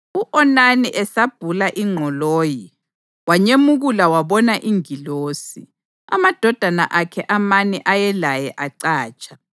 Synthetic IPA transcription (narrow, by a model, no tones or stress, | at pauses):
uʔɔnaniʔɛsab̥ʱulaʔiŋ͡ǃʱɔloːji | waɲemuɣulawaβɔnaʔiŋiloːsḭ | a̰mad̥ʱɔd̥ʱana̰ʔakʰɛʔamanɛʔajɛlajɛʔaǀaːt͡ʃʼḁ